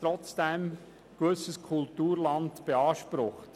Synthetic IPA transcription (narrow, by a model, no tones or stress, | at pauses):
tɾɔt͡sd̥ɛm | ɡ̥ʋɵsəskʰʊltuːɾlɑntb̥eɑːʃpɾʊχt